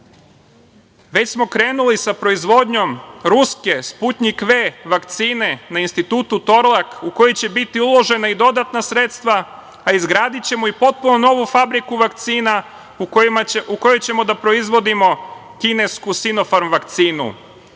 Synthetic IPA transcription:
ʋe̞t͡ɕsmo̞kɾe̞ːnulisapɾo̞izʋo̞d̪ɲo̞mɾuske̞sput̪ɲikʋeʋakt̪siːne̞nainst̪it̪uːt̪ut̪o̞ɾlˠakuko̞jit͡ɕe̞bit̪iulˠo̞ʒe̞naid̪o̞d̪at̪nasɾe̞t̪st̪ʋaː | izɡɾaːd̪it͡ɕe̞moipo̞t̪̚punono̞ʋufabɾikuʋak̚t̪siːna | uuko̞jot͡ɕe̞mo̞d̪apɾo̞izʋo̞d̪imo̞ | kine̞skusino̞faɾmʋakt̪siːnṵ

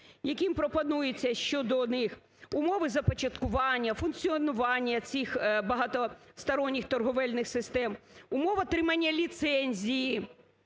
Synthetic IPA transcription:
jɐkimpɾɔpɐnujet͡sʲːɐʃt͡ʃɔd̪ɔnɪx | ʊmɔʋɪzɐpɔt͡ʃɐt̪kʊʋɑnʲːɐfʊnkt͡sʲiɔnʊʋɑnʲːɐt͡sʲixbɐɦɑt̪ɔst̪ɐɾɔnʲːixt̪ɔrɦɔʋɛlʲnɪxsɪst̪ɛmʊmɔʋɐt̪ɾɪmɐnʲːɐlʲit̪sɛnʲzʲiji

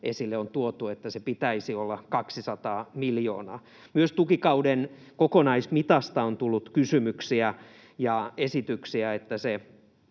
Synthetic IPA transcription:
ʔesilːeont̪uot̪uet̪ːæsepit̪æisiolːɑkɑksisɑt̪ɑːmiljo̰ːnɑː | myøst̪ukikɑuden | kokonɑismit̪ɑst̪ɑont̪ulːut̪kysymyksiæ | jɑesit̪yksiæet̪ːæse

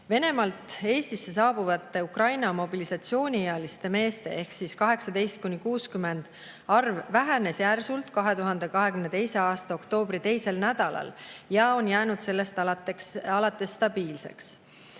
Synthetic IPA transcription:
ve̞ne̞mɑlt̪ˑe̞ːst̪isːe̞sɑːb̥uvɑt̪ːe̞ukrɑjnɑmo̞bilisɑt̪sio̞ːnʲieɑlist̪e̞me̞ːst̪e̞̰e̞hksiskɑɦe̞ksɑd̪e̞jst̪̚kunʲːikuːskyme̞nd̪̥ | ɑrvːæɦænesjærsult̪kɑɦe̞t̪uɦɑnd̪e̞kɑɦe̞kymne̞t̪e̞jse̞ɑːst̪ɑo̞kt̪o̞ːbɾit̪e̞jse̞lnæd̪̥ɑlɑ̰ljɑo̞njæːnud̪̥se̞lːe̞st̪ɑɑt̪ekɑlɑt̪ːˑe̞sːt̪ɑb̥iːlse̞̰ks

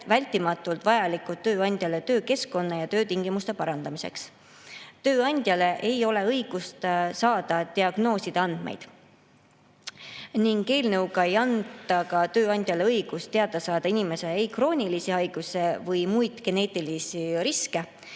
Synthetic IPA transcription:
vælʲt̪ːˑimɑt̪ːˑult̪vɑjɑlikːˑult̪ːøːɑnʲd̪ʲjɑle̞t̪ø̞ːke̞sko̞nːɑjɑt̪ø̞ːt̪iŋɡ̥imust̪e̞pɑɾɑnd̪̥ɑmise̞̰ks | t̪ø̞ːɑnʲd̪̥ʲjɑle̞ʔe̞jo̞le̞ɤjɡ̥ust̪sɑːd̪̥ɑt̪iɑɡ̥no̞ːsid̪̥ɑnd̪̥mḛjd̪̥ | niŋɡe̞ːlnɤwɡɑe̞jɑnd̪ˑɑkɑt̪ø̞ːɑnʲd̪̥ʲjɑle̞ɤjɡ̥ust̪t̪e̞ɑd̪̥ɑsɑːd̪̥ɑinʲime̞se̞ejkro̞ːnʲilisiɑjɡ̥usevɤjmujd̪̥ɡ̥e̞ne̞ːt̪ilisiɾiske̞

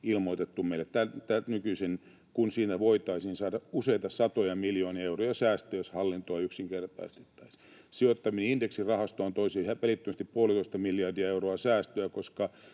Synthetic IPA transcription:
ilmoit̪et̪ːumeilːˑett̪ælt̪ænykyisen | kunsiːnæʋoit̪ɑisninsɑːdɑuseit̪ɑsɑt̪ojɑmiljoːniɑeurojɑsæːst̪øjoshɑlːint̪oɑyksiŋkert̪ɑ̰ist̪e̥t̪ːɑ̥is | siot̪ːɑmineindeksirɑhɑst̪oɑnt̪oisehæpælit̪ːømæst̪ippuolit̪oist̪ɑmiljɑrdiɑeuroɑsæːst̪øækoskɑ

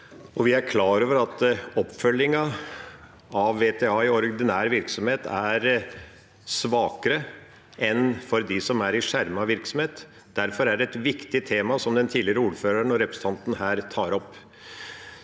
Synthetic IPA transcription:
ɔʋɪæɾkʰlɑːɾoːʋəɾɑt̪ɔpːfœljɪŋɑ | ɑʋːeːt̪ʰeːɑːɪɔɾd̪ɪnæːɾʋɪɾksɔmheːt̪ʰæɾ | sʋɑːkəɾə | ʔɛnfɔɾd̪ɪsɔmæɾɪʂæɾmɑʋɪɾksɔm̩heːt̪ | d̪̥æɾfɔɾæɖɛɛt̪ʋɪkt̪ɪt̪ʰeːmɑsɔmd̪ɛnt̪ʰiːd̪lɪəɾəuːɾføːɾəɳɔɾɛpɾəsə̥n̩ʰɑnt̪n̩ɦæːɾt̪ʰɑːɾɔpː

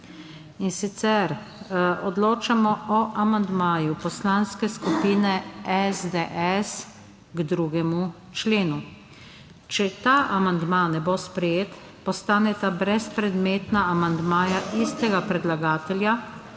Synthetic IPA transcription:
insit̪sɛɾ | ɔd̪loːt͡ʃamɔɔʔamand̪maːjupɔslanskɛskupiːnɛɛzd̪eʔɛs | ɡd̪ɾuːɡɛmu | t͡ʃleːnu | t͡ʃɛt̪aːʔamand̪manɛbospɾɛjeːt̪ | pɔst̪aːnɛt̪abɾɛspɾɛd̪meːt̪naamand̪maːjaʔiːst̪ɛɡapɾɛd̪laɡaːt̪ɛlja

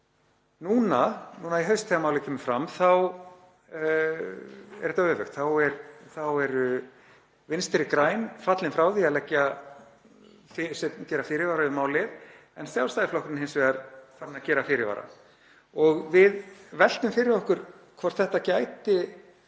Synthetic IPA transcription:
nuːnanuːnaiɦœɥst̪θɛːamawlɪkʰʏːmʏfɾamθaw | ɛ̰ɾɛt̪avœːvʏxt̪θawɛɾθawɛɾʏ | vɪnst̪ɪɾɪkɾaːjnfat̪lɪnfɾawθiaðlɛcːa | fɪsɛcɛːɾafɪːɾɪvaːɾaʏmaːwlɪð | ɛnsjawlst̪ajðɪflɔhkɾɪnhɪnsvɛaɾfaɾɪnacɛːɾafɪɾɪva̰ɾa̰ | ɔɣvɪðvɛl̥t̪ʏmfɪɾɪɾɔhkʏɾ̥ | kʰvɔr̥t̪θɛht̪acajt̪ɪ

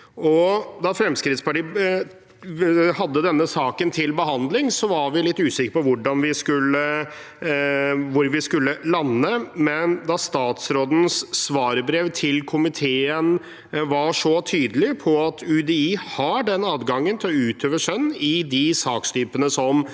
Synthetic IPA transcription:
ɔd̪ɑfɾɛmskɾɪt̪spɑʈiː | hɑd̪ːəd̪ɛnːəsɑːkənt̪ʰɪlbəɦɑnd̪lɪŋsɔʋɑɾʋɪlɪt̪ːʉːsɪkːəɾpɔʋʊɖɑnʋɪskʉlːə | ʋʊɾʋɪskʉlːəlɑnːəmɛnd̪ɑst̪ɑːt̪sɾoːd̪n̩sːʋɑːɾəbɾeːʋt̪ʰɪlkʰʊmɪt̪ʰeːən | ʋɑʂɔt̪ʰyːd̪əlɪpʰɔɑt̪ʰʉd̪ɛiːhɑɖɛnɑːd̪ɡɑŋːənt̪ʰɪlɔʉːt̪ʰøːʋəʂœnːɪd̪ɪsɑːkst̪yːpənəsɔm

